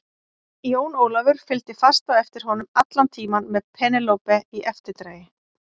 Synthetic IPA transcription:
joːwnoːwlavʏɾ̥fɪlt̪ɪfast̪aðɛft̪ɪɾ̥hɦɔnʏmat̪lant̪ʰiːmanmɛðpʰɛːnɪlowpɛiʔɛft̪ɪɾt̪ɾeːjɪ

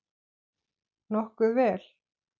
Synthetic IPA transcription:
nɔhkʏvɛːl

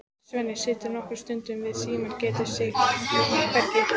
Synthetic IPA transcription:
svœːnɪ̥sɪːt̪ɪɾnɔhkʏɾ̥st̪ʏnt̪ʏmvɪðsiːmaɾcɛːt̪asɪ | kɛɾcɪ

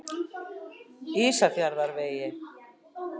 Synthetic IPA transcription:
isaθjaɾðaɾβeje

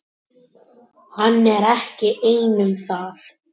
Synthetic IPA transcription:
hanːɛɾɛhcɪʔeːjnʏmθaθ

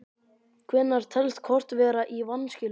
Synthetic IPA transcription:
kʰvɛːnːaɾ̥t̪ʰɛlst̪̚kʰɔr̥t̪vɛːɾaʔivanːscɪl

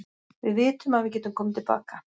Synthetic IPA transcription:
vɪðvɪːt̪ʏmaðvɪðc̬ɛːt̪ʏmkʰɔːmt̪ɪlpa̰ːka

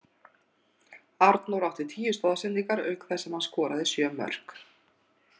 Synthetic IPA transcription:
aɾt̪nawɾawht̪ɪ̥t̪ʰiːjʏst̪ɔːðasɛnt̪ikaɾœ̰ːɥkθɛsːɛmhanskɔːɾaðɪsjœːmœ̰r̥k

